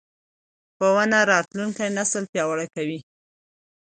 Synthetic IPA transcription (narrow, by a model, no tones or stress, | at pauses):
powanaɾɑt̪lunkajnasəlpjɑwaɽakawi